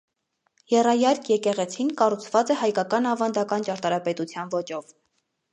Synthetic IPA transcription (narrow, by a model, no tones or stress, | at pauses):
jɛrɑjɑɾkʰjɛkɛʁɛt͡sʰinkɑrut͡sʰvɑt͡sɛhɑjkɑkɑnɑvɑnd̪ɑkɑnt͡ʃɑɾt̪ɑɾɑpɛt̪ut͡sʰjɑnvɔt͡ʃɔv